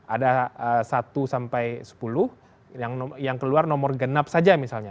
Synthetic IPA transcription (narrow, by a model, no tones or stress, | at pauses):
adaəsat̪usampajsə̥pulʊh | aŋjaŋkəluarnɔmɔrɡənap̚sad͡ʒamisalɲa